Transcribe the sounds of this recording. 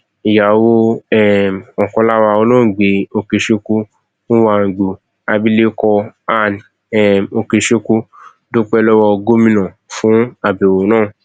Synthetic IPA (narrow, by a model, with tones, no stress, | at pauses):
i˨ja˨wo˧ɛ˦˨ɔ˨kɔ̃˧la˦wa˧o˦lõ˦˨ɡ͡be˨˦o˧ke˧ʃe˧ku˧ | nũ˦wa˧˨ɡ͡bo˨ | a˧bi˦le˦kɔ˧a˧˨nĩ˨ | ɛ˨mo˧ke˧ʃe˧ku˧ | do˦k͡pɛ˦˧lɔ˦wɔ˧ɡo˦mĩ˦nɔ̃˨ | fũ˦a˨be˨wo˨˦nãː˦˨